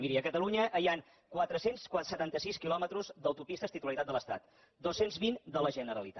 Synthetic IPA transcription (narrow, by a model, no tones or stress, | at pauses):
miɾiəkət̪əluɲəʔːjaŋ | kwat̪ɾəsenskwasət̪ant̪əsiskilɔmət̪ɾuzd̪əwt̪upist̪əst̪it̪uləɾit̪ad̪ələst̪a̰t̪ | d̪osenzβind̪ələʒənəɾəlit̪a